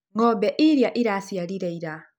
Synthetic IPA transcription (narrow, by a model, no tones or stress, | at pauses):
ŋɔbɛʔiɾjaʔiɾasijaliɾaiɾa